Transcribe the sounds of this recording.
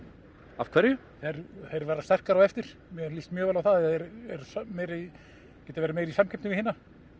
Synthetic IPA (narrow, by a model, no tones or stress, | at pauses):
av̥kʰv̥ɛɾjʏ | θeɾθejɾvɛːɾast̪ɛr̥kaɾawɛft̪ɪɾ̥mɛlist̪mjœːɣɛːlawθaðɛθeɾɛɾsmeːjɾi | cɛːt̪avɛːɾameːjɾisamcʰɛpt̪ɪvɪhɪna